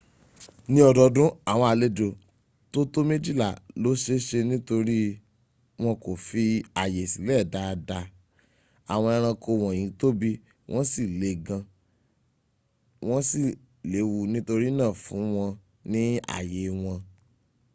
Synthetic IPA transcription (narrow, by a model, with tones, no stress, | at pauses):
nĩ˧˦ɔ˧dɔ˧dũ˦a˦˨w̃ɔ̃˧a˧˨le˦do˨ | to˦to˦me˦d͡ʒi˦˨la̰˦˨lo˨˦ʃe˦ʃe˧nĩ˦to˧ɾi˦ | w̃ɔ̃˧ko˨fi˧a˨je˨si˨˦lɛ˦˨da˨˧da˧ | a˨w̃ɔ̃˧ɛ˧ɾ̃ã˧ko˧w̃ɔ̃˨ĩ˨˦to˦bi˦ | wʔɔ̃˦si˦˨le˨˦ɡã˧ | w̃ɔ̃˦si˦˨ | le˨˦wu˧nĩ˦to˧ɾi˦nãː˦˨fũ˨˦w̃ɔ̃˧ | nĩ˦a̰˨je˨w̃ɔ̃˧